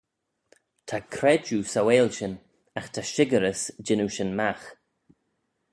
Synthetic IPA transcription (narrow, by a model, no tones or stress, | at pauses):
tʰakʰɾɛd͡ʒusaweːlʃən | axt̪ʰaʃɪɡəɾəsd͡ʒɪnuʃənmax